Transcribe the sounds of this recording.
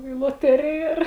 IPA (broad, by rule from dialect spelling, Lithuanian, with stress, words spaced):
iː lˠoːˈtʲæːrʲɪjɛ ɪr